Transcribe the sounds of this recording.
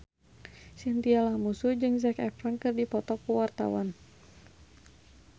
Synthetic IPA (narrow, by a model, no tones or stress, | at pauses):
sint̪ialamusud͡ʒɨŋzɛkɛkɾankɨrdipɔt̪ɔkuwart̪a̰wan